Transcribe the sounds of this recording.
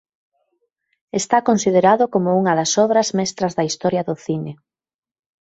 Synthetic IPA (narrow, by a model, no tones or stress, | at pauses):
est̪akonsið̞eɾaðʊkomʊuŋɐðɐsɔβɾɐzmɛst̪ɾɐzðɐist̪ɔɾjɐðʊθine